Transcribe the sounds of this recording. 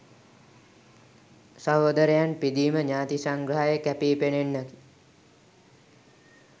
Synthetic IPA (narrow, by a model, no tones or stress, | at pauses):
saɦoːd̪əɾejanpid̪iːməɲaːt̪isaŋɡɾəɦajəkæpiːpenenːəki̥